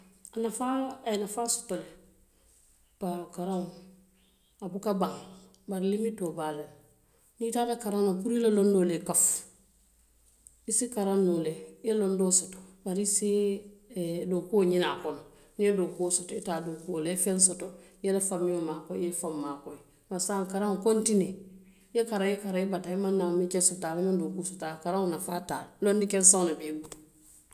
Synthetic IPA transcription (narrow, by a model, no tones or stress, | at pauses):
anafaanafaːsu̥tole | pakaɾam | abukabaŋ | baɾilimitobale | nitanakaɾamapuɾilalondolekaf | isikaɾanːolellondoːsoto̥baɾisi | doːkuoɲinaːkɔno | niedoːkuosotɔitaːdoːkuolefɛnsotojɛlafamːijomakɔjefamːaːkɔi | masaːŋkaɾaŋokontine | jekaɾajekaɾajebataimanːamit͡ʃɛsotaːlamãndokusotakaɾaŋonafaːtaːllondikɛnsawnabebutu̥